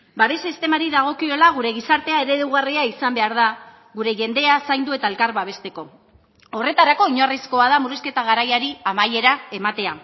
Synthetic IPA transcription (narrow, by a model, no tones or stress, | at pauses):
baɾesist̪e̞maɾiðaɣ̞o̞kio̞laɣ̞uɾe̞ɣ̞isaɾt̪e̞ae̞ɾe̞ðewɣariaisambe̞aɾð̞a | ɣuɾe̞ʝe̞nd̪e̞asajnd̪ue̞t̪ae̞lkaɾβaβ̞e̞st̪e̞ko̞ | o̞re̞t̪aɾako̞iɲorisko̞að̞amuɾuske̞t̪aɣ̞aɾajaɾiamaje̞ɾae̞mat̪e̞a